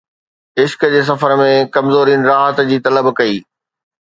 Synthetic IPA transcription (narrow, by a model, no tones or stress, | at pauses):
ɪʃkəd͡ʑeːs̬ɐfəɾmẽkɐmzoːɾiːnɾaːɦət̪d͡ʑiːt̪ɐləbkɐiː